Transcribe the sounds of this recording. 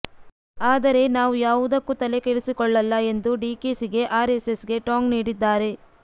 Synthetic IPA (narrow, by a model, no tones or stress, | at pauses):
aːd̪ɐɾe̞naːʋujaːʋud̪ɐkːut̪ɐle̞keɭisikɔɭːɐlːɐe̞nd̪uɖiːkesiɡe̞ʔaːɾesesɡe̞ʈaːŋɡniːɽid̪ːaːɾe̞